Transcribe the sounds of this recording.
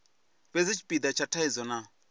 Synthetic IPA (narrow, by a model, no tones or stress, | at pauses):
bed͡zit͡ʃʰi̥pʼid̪at͡ʃʰatʰaid͡zɔna